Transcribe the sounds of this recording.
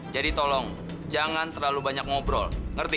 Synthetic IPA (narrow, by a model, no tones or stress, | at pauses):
d͡ʒadit̪ɔlɔŋ | d͡ʒaŋant̪ərlalubaɲak̚mɔbɾɔlŋərt̪i